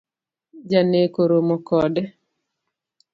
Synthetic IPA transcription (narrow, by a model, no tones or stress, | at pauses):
d͡ʒanekoɾomɔkɔdɛ